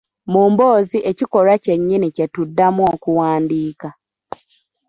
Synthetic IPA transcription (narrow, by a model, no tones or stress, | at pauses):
muːmbo̞ːziʔecikoɾace̞ɲːinicetudːamwoːkuwaːndiːka